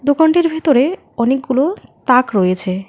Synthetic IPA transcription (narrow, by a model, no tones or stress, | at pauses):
d̪ukaɳʈiɾbʱet̪oɾe | ɔnek̚ɡulot̪akɾojet͡ɕʰe